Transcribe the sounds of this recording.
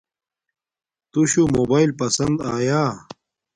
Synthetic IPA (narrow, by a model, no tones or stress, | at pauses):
t̪uɕumoːbaːilpɐsɐnd̪aːjaː